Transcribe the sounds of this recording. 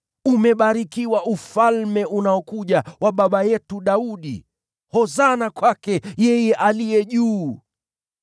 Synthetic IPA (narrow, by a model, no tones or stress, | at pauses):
umɛɓaɾikiwaʔufalmɛʔunaɔkuʄawaɓaɓajɛtuɗauɗḭ | hɔzanakwakɛjɛjɛʔalijɛʄuː